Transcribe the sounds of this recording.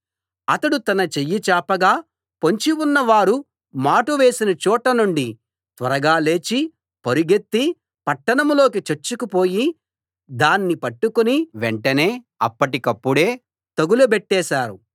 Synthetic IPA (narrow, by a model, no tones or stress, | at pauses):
ɐt̪ɐɽut̪ɐnɐt͡ʃejːit͡ʃaːpɐɡaː | poɲt͡ʃiwunːɐʋaːɾu | maːʈuʋe̞ːsinɐt͡ʃɔːʈɐnuɳɖi | t̪ʋɐɾɐɡaːle̞ːt͡ʃi | poɾiɡet̪ːi | pɐʈːɐɳɐmlo̞ːkit͡ʃeɾt͡ʃːukupo̞ːji | d̪aːnːipɐʈːukuniʋeɳʈɐne̞ː | ɐ̰pːɐʈikɐpːuɽeː | t̪ɐɡulubeʈːɛːʃaːɾu